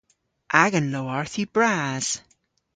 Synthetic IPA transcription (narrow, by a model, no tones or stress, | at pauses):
ʔaɡə̃nloaɹθibɹaz̥